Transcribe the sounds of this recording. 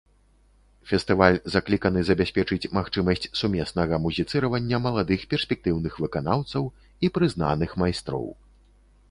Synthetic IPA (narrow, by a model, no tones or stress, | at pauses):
fʲɛst̪ɨvalʲzaklʲikɐnɨzɐbʲasʲpʲɛt͡ʂɨt͡sʲmaxt͡ʂɨmɐsʲt͡sʲsumʲɛsnɐɣɐmuzʲit̪sɨɾɐvɐnʲːɐmɐlˠad̪ɨxpʲɛrsʲpʲɛk̚t̪ɨwn̪ɨxvɨkanawt̪sɐw | ipɾɨzn̪a̰nɨxmajst̪ɾɔ̰w